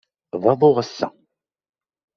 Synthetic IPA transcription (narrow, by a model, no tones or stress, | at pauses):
ðˤɑðˤoʁəsːæ̰